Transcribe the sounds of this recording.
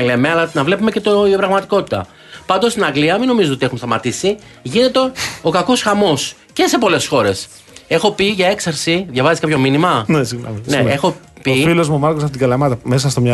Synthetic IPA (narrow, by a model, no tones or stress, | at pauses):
lemeɐlɐnɐvle̞pume̞cet̪opɾɐɣmɐt̪i̥ko̞t̪i̥t̪ɐ̰ | pɐnd̪ost̪inɐŋɡliɐmino̞mizoo̞t̪ie̞xumst̪ɐmɐt̪isi | ʝine̞t̪e̞o̞kɐko̞sxɐmo̞s | ce̞se̞po̞le̞sxo̞ɾe̞s | e̞xo̞piʝɐe̞ksɐɾsiðʝɐvɐziskɐpçominimɐnesiɣnɐmineexo̞pifilozmumɐɾkos̬ɐft̪it̪iɡɐlɐmɐt̪ɐmes̬ɐst̪omɲɐ